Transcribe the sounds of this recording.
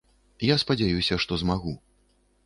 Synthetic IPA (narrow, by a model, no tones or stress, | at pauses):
jaspɐd͡zʲajusʲɐʂt̪ɔzmaɣu